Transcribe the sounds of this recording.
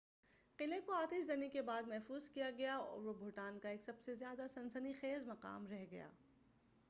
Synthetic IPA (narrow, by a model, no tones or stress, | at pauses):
qɪlekoaːt̪iszɐnikebaːd̪mɛɦfuːzkijaɡɐjaɔ̰ːɾʋobʱʊʈaːnkaeːksɐbsezjaːd̪asɐ̃nsənixeːzmɐqa̰ːmɾɛɦɡɐja̰ː